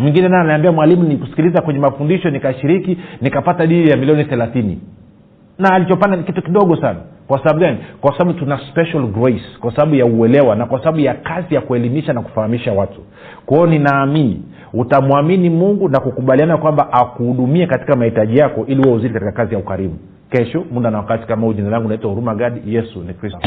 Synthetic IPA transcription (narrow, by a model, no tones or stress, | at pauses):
mwiŋɡinɛnaɛanaambiamwalimunikusi̥kilizakwɛɲɛmafundiʃɔnikaʃiɾikinikapataɗinijamilijɔniθɛlaθinḭ | naːlit͡ʃɔpandanikitukiɗɔɠɔsana̰kwasaɓaɓuɡanikwasaɓaɓutunaspɛʃalɡɾɔiskwasaɓaɓujauɛlɛwanakwasaɓaɓujakazijakuɛlimiʃanaku̥fahamiʃawatu̥ | kwaɔninaːminḭ | utamuaminimuŋɡunakukuɓalianakwambaʔakuhuɗumiɛkati̥kamahitaʄijakɔʔiliwauziɾikatikakazijaukaɾimu | kɛʃɔmundanawakati̥kamauʄinalaŋɡunaitwahuɾumaɡaɗijɛsunikɾi